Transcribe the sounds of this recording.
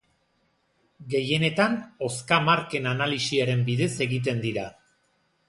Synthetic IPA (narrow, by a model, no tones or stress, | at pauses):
ɡe̞je̞ne̞t̪ano̞skamaɾke̞nanalisiaɾe̞mbiðe̞se̞ɣit̪̬e̞nd̪iɾa